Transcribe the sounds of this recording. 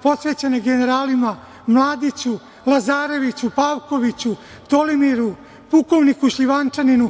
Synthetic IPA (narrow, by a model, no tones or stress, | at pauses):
po̞sʋeːt͡ɕeneɡeneɾaːlima | mlˠaːd̪it͡ɕu | lˠazaːɾe̞ʋit͡ɕupaːwko̞ʋit͡ɕu | t̪o̞limiɾu | puko̞ʋnikuʃʎiʋant͡ʂaninu